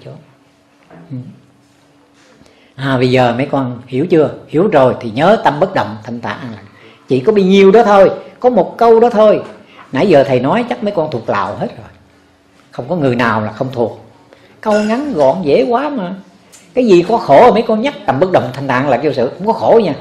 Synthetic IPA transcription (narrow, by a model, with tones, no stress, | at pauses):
t͡ɕo˨˦ | ʔɨ˨˩ | ʔaː˨˩ɓə˧jzəː˨˩mə˨˦jkɔ˧nhi˧˩əwt͡ɕɨ˧əhi˧˩əwzo˨˩jt̪ʰi˨˩ɲəː˨˦t̪ə˧mɓə˦˥t̚ɗə˨˩wŋ͡mt̪ʰa˧jŋ̟t̪a̰ː˧˨ʔlaː˨˩ | t͡ɕḭ˧˨kɔ˨˦ɗi˧ɲi˨˩əwɗɔ˨˦t̪ʰo˧jkɔ˨˦mo˨˩t̚kə˧wɗɔ˨˦t̪ʰo˧j | na̰˧˩˦jzəː˨˩t̪ʰə˨˩jnɔ˨˦jt͡ɕa˦˥k̚mə˨˦jkɔ˧nt̪ʰu˨˩ək̚la̰ː˧˨whe˦˥t̚zo˨˩j | xə˧wŋ͡mkɔ˨˦ŋɨ˨˩əjnaː˨˩wlaː˨˩xə˧wŋ͡mt̪ʰu˨˩ək̚ | kə˧wŋa˨˦nɣɔ̰˧˨nzḛ˧˥˦kwaː˨˦maː˨˩ | kaː˨˦jzi˨˩kɔ˨˦xo˧˩mə˨˦jkɔ˧nɲa˦˥k̚t̪a˨˧˩mɓə˦˥k̚ɗə˨˩wŋ͡mt̪ʰa˧jŋ̟t̪a̰ː˧˨nlaː˨˩t͡ɕo˧sɨ̰˧˨kʊ̰˧˥ŋ͡mkɔ˨˦xo˧˩˦ɲaː˧˩